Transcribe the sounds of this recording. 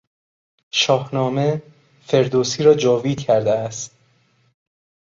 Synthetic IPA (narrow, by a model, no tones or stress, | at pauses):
ʃɒːhnɒːme̞ | fe̞ɾd̪oːsiːɾɒːd͡ʒɒːviːcʰæɾd̪eæst̪